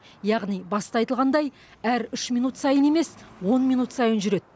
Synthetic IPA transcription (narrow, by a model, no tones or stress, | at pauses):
jɑʁnijbɑst̪ɑɑjt̪əlʁɑnd̪ɑj | æɾʏʃmʲijnut̪sɑjəne̞me̞swo̞nmijnut̪sɑjənʒʏɾe̞d̪̥̚